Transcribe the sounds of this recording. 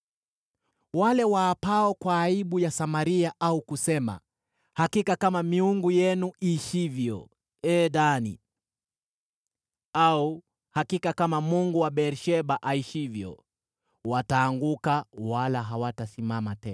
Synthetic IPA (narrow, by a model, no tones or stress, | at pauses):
walɛwaːpaɔkwaːiɓujasamaɾiaʔaukusɛma̰ | hakikakamamiuŋɡujɛnuʔiʃivjɔ̰ | ɛːɗanḭ | au | hakikakamamuŋɡuwaɓɛɾʃɛɓaʔaiʃivjɔ̰ | wataːŋɡukawalaɦawatasimamatɛ̰na